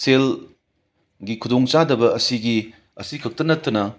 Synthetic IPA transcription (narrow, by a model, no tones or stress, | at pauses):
sel | ɡikʰudoŋt͡ʃadɐbɐɐsiɡi | ɐ̰sikʰɐk̚tɐnɐtːɐnɐ